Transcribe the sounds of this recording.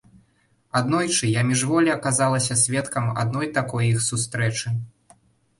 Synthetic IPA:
ad̪nɔjt͡ʂɨjamʲiʐvɔlʲiɐkazalˠɐsʲɐsʲvʲɛt̪kɐma̰d̪̚nɔjt̪akɔjixsust̪ɾɛt͡ʂɨ

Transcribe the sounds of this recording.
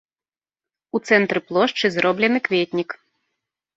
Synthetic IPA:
ut̪sɛnt̪ɾɨplˠɔʂt͡ʂɨzrɔblʲɛnɨkvʲetʲnʲik

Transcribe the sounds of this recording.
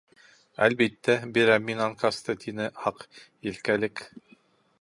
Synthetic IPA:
æ̰lbit̪ːæbiɾæminɑŋkɑst̪ɤt̪ʰinɘhɑqjɘ̆lkælɘk

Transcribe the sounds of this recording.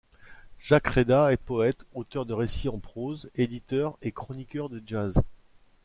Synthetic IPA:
ʒ̥akχed̪aɛpɔɛt̪ot̪œʁd̪əʁesiɑ̃pχozed̪it̪œʁekχɔnikʲœʁd̪əʒaz

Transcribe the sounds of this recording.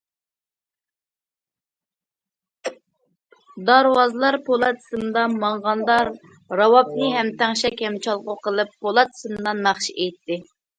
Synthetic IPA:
d̪ɑɾwɑzɨlˠɑɾpʰolˠɑt̪ʰɨ̥sɨmd̪ɑmɑɴʁɑnd̪ɑɾ | ɾɑwɑp̚nɨɦɛmt̪ʰæŋʃɛkʲɛmt͡ʃʰɑlˠqʊqəlˠɨpʰːolˠɑt̪ɨ̥sɨmd̪ɑnɑχʃiʔejt̪ːɪ

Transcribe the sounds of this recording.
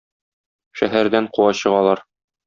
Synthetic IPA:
ʃæɦæɾd̪æɴquɑɕɤ̆ʁɑlˠɑɾ

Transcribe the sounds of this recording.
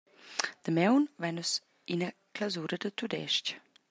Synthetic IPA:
d̪̥əmɛwnvɛnus | inəklawzuːɾɐd̪ət̪ud̪ɛ̰ʃt͡ʃ

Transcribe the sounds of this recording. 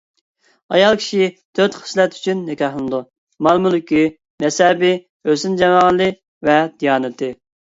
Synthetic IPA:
ɑjɑlˠkʲʰi̥ʃit̪ʰøt̪χə̥slɛt̪y̥t͡ʃʰynːɪkʲɑχlˠɨnɨd̪u | mɑlˠmulˠɪkʲi | nɛsɛbɪ | øsynd͡ʒɛmɑʁəlˠːɨ | vɛd̪̥ijɑːnɨt̪ʰɪ

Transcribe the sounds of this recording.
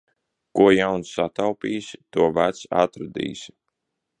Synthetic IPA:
kuɔjawnsːat̪awpʲiːst̪uɔvæt̪sa̰t̪ɾad̪ḭːs

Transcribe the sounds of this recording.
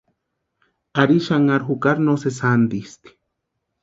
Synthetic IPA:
aɾiʃaŋaɾɦukaɾnosesand̪ist̪i̥

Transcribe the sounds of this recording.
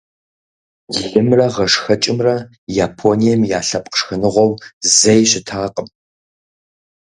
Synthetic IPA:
ɬɨmrɐʁɐʂxɐt͡ʃʼɪmrɐ | jaːpʰoːnijɛmjaːɬɐpʼqə̥ʂxɐnɨʁʷɔwzɐjɕɪtʰaːqʼəm

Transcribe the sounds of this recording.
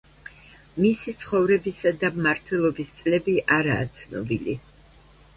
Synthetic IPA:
misit̪sʰχɔvɾɛbisad̪amaɾt̪ʰwɛlˠɔbist̪sʼlɛbiʔaɾaːt̪sʰnɔ̰bili

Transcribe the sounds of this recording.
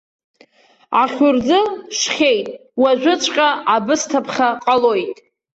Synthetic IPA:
aχʲʊrd͡zɨʂχʲejtʼwaʒᶣʷʊt͡sʷʰʼqʲʼaʔabɨstʰapʰχʲaqʼalo̞jtʼ

